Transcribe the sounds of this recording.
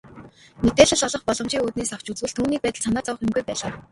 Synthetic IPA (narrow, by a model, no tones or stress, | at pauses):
met̪eːɮə̆ɮɔɮɞ̆χpɔɮɞ̆mt͡ɕiːŋuːt̪neːsaw̥t͡ɕut͡swɘ̆ɮt̪ʰːuːniːk̚pæːt̪ə̆ɮsanaːt͡sawə̆χɪmɡujpæːɮaː